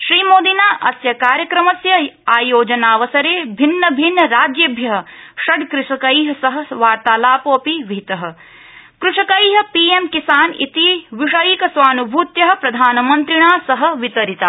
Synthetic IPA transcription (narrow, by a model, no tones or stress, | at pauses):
ʃɾiːmoːd̪inaːʔɐsjɐkaːɾjɐkɾɐmɐsjɐaːjoːd͡ʒɐnaːʋɐsɐɾeːbʱinːɐbʱinːɐɾaːd͡ʒjɐbʱjɐɦɐ̆ʃɐɖkɾɪʂɐkɐjɦɐ̆sɐɦɐ̆ʋaːɾt̪aːlaːpoːɐpiʋit̪ɐɦɐ̆ | kɾuʂɐkɐjɦɐ̆piːemkisaːnḭt̪iʋiʂɐjikɐsʋaːnubʱuːt̪jɐɦɐ̆pɾɐd̪ʱaːnɐmɐnt̪ɾiɳaːsɐɦɐ̆ʋit̪ɐɾit̪aː